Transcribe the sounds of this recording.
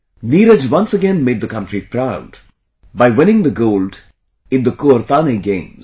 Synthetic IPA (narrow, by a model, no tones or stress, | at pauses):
niːɾəd͡ʒwʌ̃nsəɡɛ̃nmeːd̚d̪əkʌ̃ntɾipɾaʊd̥ | baɪwɪ̃nɪ̃ŋd̪əɡoːlɖ | ɪ̃nd̪əkuəɾt̪aniɡẽɪ̃mz